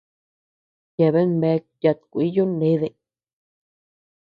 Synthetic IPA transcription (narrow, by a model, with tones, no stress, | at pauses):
ja˧˨βe˦nmbe˧˦˧k̚ja˧t̪ku˨i˦jo˦nẽ˦ðe˧˨